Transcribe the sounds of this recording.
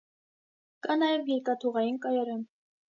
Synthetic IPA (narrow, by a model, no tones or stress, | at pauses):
kɑnɑjɛvjɛɾkɑt̪ʰuʁɑjinkɑjɑɾɛm